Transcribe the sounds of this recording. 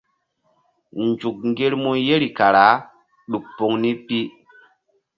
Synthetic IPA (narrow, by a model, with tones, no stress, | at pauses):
nd͡ʒu˨k̚ŋ˦ɡe˦ɾmo˦je˦ɾi˨ka˨ɾa˨˦ | ɗu˨k̚po˦ŋni˦pi˦